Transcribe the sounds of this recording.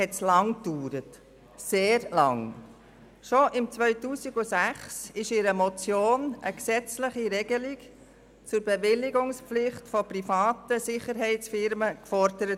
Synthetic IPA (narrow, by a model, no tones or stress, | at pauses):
hɛtslɑŋ̚d̥uːɾət | seːɾlɑŋ | ʃɔʔɪmt͡sʋœʏtuːsiɡusæχsɪʃɪɾəmɔt͡sjoːnʔəksɛt͡sləχiɾɛɡ̥əlik | t͡sʊɾb̥ɛʋɪlːɪɡʊŋspflɪχtfɔprifɑːt̪əsɪχəɾɦɛɪt͡sfɪɾməkfɔɾd̥əɾət